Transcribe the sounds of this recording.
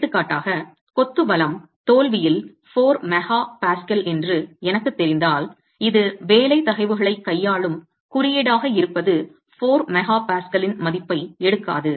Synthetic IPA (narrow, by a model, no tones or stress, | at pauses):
t̪ːɯkːaːʈːaːɣɐ | kɔt̪ːɯbɐlɐm | t̪oːlʋɪjɪl | foːɾmɛɣaːpaːskɐlɛndrɯɛnɐkːɯt̪ːɛɾɪnd̪aːl | ɪðɯʋeːlɐɪt̪ɐɣɐɪʋɯɣɐɭɐɪkːɐjːaːɭɯm | kʊɾɪjeːɽaːɣɐɪɾɯpːɐðɯ | foːɾmɛɣaːpaːskɐlɪnmɐðɪpːɐɪɛɽɯkːa̰ːðɯ